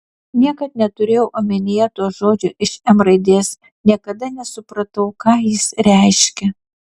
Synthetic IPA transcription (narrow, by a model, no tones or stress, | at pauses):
nʲiɛkɐt̪̚nʲɛt̪ʊɾʲeːjɛʊʔɐmʲɪnʲejɛt̪uɔʒoːd͡ʒʲʊʔɪʃɛmɾɐɪd̪ʲeːs | nʲiɛkɐd̪ɐnʲɛsʊpɾɐt̪ɐʊkɑːjɪsɾʲɛˑɪʃʲkʲɛ